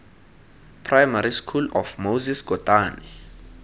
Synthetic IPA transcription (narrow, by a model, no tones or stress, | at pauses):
pʰrajmaɾiskʰulɔfmowzisɡ̥ʱɔtʼaːni